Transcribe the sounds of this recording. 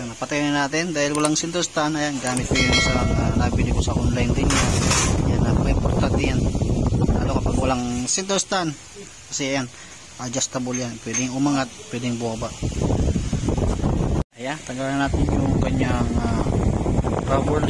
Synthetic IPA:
nɐpɐt̪ajnɐnaːt̪ɪnd̪aːhɪlwɐlaŋsɪnt̪ɛɾst̪aʔnɐjanɡaːmɪt̪̚kojʊnsɐŋanabɪlɪkosɐʔonlajnt̪ɪnjajanːɐpɐɪpoɾt̪ant̪ɪjanla̰ːlokɐpaɡwɐlaŋsɪnt̪ɛɾst̪an | kɐsɛɐjan | ʔad͡ʒast̪ɐboljanpwɛd̪ɪŋʊmaŋat̪̚pwɛd̪ɪŋbʊhabaʔ | ʔɐjant̪ɐɡalɐnaːt̪ɪɲjʊŋkɐɲaŋa | ɾabɛɾd̪

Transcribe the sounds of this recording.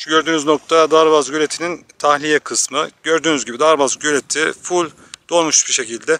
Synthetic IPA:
ɟø̞ɾd̪yːnyzno̞k̚t̪ʰad̪aɾβazɟølʲet̪ʰinint̪ʰahlʲijɛkʰɯsmɯɟøɾd̪yːnyzɟibid̪aɾbazɟølʲet̪ʰifulʲ | d̪o̞lˠmuʃbiʃe̞cilʲd̪ɛ

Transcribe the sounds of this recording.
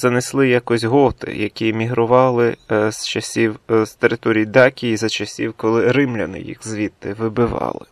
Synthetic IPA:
zɐneslˠɪjakɔzʲɦɔt̪ɪ̰jɐkʲimʲiɦɾʊʋɑlˠɪzt͡ʃɐsʲiwst̪eɾɪt̪ɔɾʲijid̪ɑkʲijizɐt͡ʃɐsʲiwkɔlˠɪɾɪmlʲɐnɪ̰jḭxzʋʲit̪ːɪʋɪbɪʋɑ̰lˠɪ

